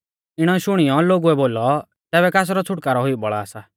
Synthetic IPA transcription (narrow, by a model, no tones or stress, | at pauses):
ɪɽ̃ɔʃʊɽ̃ɪjɔloːɡuɛboːlɔ | t̪ɛːbɛkaːs̬ɾɔt͡sʰʊʈkaːɾɔɦʊjubɔɭa̰ːsa